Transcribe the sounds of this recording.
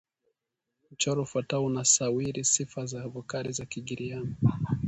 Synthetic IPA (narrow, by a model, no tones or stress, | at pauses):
m̩t͡ʃɔɾɔufwataɔunasawiɾisifazahːvukaɾizakiɠiɾiani